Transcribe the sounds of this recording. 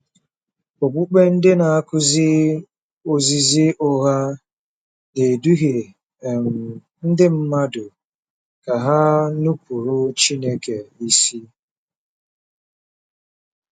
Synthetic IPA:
o˨ɡ͡bu˦k͡pe˦n̩˦dɪ˦na˨a˦kʊ˦zɪ˦ | o˦zi˦zi˦ʔʊ˦ɣa˦ | ne˨du˦ɣe˨ | m | n̩˦dɪ˦m̩˦ma˦dʊ˨ | ka˨ɦa˦nu˦pu˨ɾu˦t͡ʃi˦ne˦ke˨i˦si˦

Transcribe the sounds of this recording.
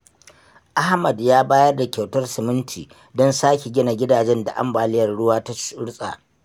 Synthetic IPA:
ʔa˦hmɐ˨djaː˦baː˦jɐ˦rda˨kʲa˨wtɐ˦rsɪ˨mɪ˦ntʰiː˨ | dɔ˦nsaː˦kʲe˨ɡʲɪ˦na˨ɡʲɪ˦daː˨d͡ʒɛ˦nda̰˨ʔa̰˦mbaː˨lɪ˦jɐ˨rɽʊ˦waː˦ta˦ʃʊ˦ɽsʼa̰ː˨

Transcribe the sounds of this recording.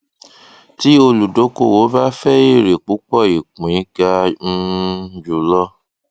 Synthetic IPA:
ti˨˦o˧lu˨do˨˦ko̰˦˨wo˨˦ba˦fɛ˦i˦˨ɾe˨k͡pu˨˦k͡pɔ˦˨i˨k͡pũ˨i˨˦ɡa˧n̩˧d͡ʒu˨lɔ˦

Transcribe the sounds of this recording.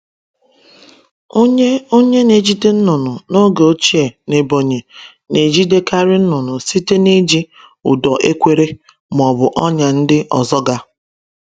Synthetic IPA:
o˦ɲe˦o˦ɲe˦ne˨d͡ʒi˦de˦n̩˦nʊ˨nʊ˨no˦ɡe˨o˦t͡ʃi˦e˨ne˨bo˨ɲe˨ | ne˨d͡ʒi˦de˦ka˦ɾɪ˦n̩˦nʊ˨nʊ˨si˦te˦ni˦d͡ʒi˦ | ʊ̰˨dɔ˨ʔe˦kʷe˦ɾe˦ | m˨ɔ˨bʊ˨ʔɔ˦ɲa˨n̩˦dɪ˦ʔɔ˨zɔ˦ɡa˦

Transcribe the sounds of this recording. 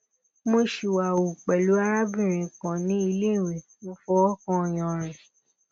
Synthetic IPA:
mo˧ʃi˨wa˨o˨k͡pɛ˨lu˨˦a˧ɾa˦bĩ˦˨ɾ̃ĩ˨kã˨nĩ˨˦i˧le˦˨we˨mo˧fɔ˧˦ɔ˦kɔ̃˧˦˨j̃ɔ̃˨ɾ̃ɛ̃˨

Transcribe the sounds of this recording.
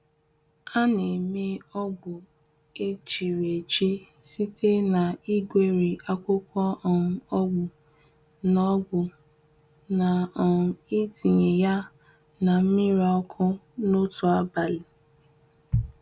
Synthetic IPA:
a˦ne˨me˦ɔ˦ɡ͡bʊ˨ | e˦t͡ʃi˨ɾe˨t͡ʃi˦ | si˦te˦na˨i˦ɡʷe˦ɾi˨a˦kʷʊ˦kʷɔ˦ɔ˨ʊ˨ɔ˦ɡ͡bʊ˨ | nɔ˨˦ɡ͡bʊ˨ | na˨ɔ˨ɾʊ˨i˦ti˨ɲe˨ja˦ | na˨m̩˦mi˦ɾa˨ɔ˦kʰʊ˦no˦tu˨a˦ba˨li˨

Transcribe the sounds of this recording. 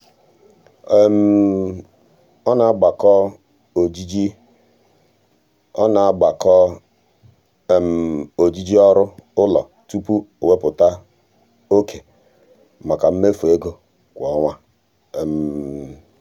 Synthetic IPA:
m˨ | ɔ˦na˨a˦ɡ͡ba˨kɔ˦ | o˨d͡ʒi˦d͡ʒi˦ | ɔ̰˦na˨a˦ɡ͡ba˨kɔ˦˨ | m̩˨o˨d͡ʒi˦d͡ʒi˦ɔ˦ɾʊ˦ʊ˦lɔ̰˨ | tu˦pu˦o˨we˦pʊ˨ta˦ | o˦kʰe˨ | ma˨ka˨m̩˦me˦fu˨e˦ɡo˨ | kʷɔ˨˦ŋʷa˦˨ | m̩˨

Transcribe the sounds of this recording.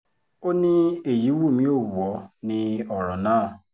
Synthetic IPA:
o˦ne˦e˨ji˨˦wu˦˨mi˦o˦˨wu˨ɔ˨˦nɪ˦ɔ˨ɾɔ˨naː˦˨

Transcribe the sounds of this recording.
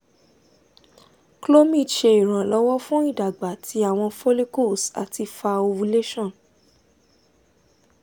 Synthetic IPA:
klo˦mĩ˦˨dʃe˧i˨ɾ̃ã˨lɔ˦wɔ˦fũ˦i˦˨da˨ɡ͡ba˨tʰi˧˦a˦˨w̃ɔ̃˧fo˦le˦ko˦˨sa̰˨ti˧fa˧o˧wu˧le˦ʃɔ̃˦˨n

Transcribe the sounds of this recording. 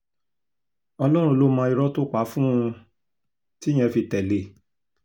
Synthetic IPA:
ɔ˧lɔ˦ɾ̃ũ˧lo˦mã˧i˧ɾɔ˦to˦k͡pa˨˦fũ˦ũ˧ | ti˦j̃ɛ̃˧fi˧tɛ˨le˨

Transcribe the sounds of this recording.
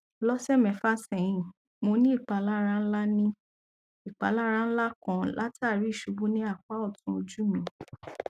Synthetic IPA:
lɔ˦sɛ˦˨mɛ̃˨fa˦sɛ̃˨j̃ĩ˨ | mo˧nĩ˦i˦˨k͡pa˨˦la˦ɾã˦n̩˦la˦nĩ˦ | i˨k͡pa˨˦la˦ɾã˦n̩˦la˦kɔ̃˧la˦ta˦˨ɾi˨˦i˦˨ʃu˨˦bu˦nĩ˦a˦˨k͡pa˦ɔ˦˨tũ˧˦o˧d͡ʒu˦mĩ˨˦

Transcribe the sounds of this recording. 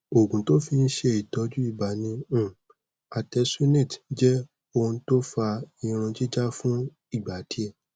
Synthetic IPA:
o˨ɡũ˨to˦fi˧n̩˦ʃe˧i˨tɔ˨˦d͡ʒu˦i˦˨ba˨nĩ˧ũ˦˨ | a˨tɛ˨˧su˦nẽ˦˨td͡ʒɛ˦ | o˦˧n̩˧˦to˦fa˧ĩ˨˧ɾ̃ũ˧d͡ʒi˦d͡ʒa˦fũ˦ | i˦˨ɡ͡ba˨˦di˨˦ɛ˦˨

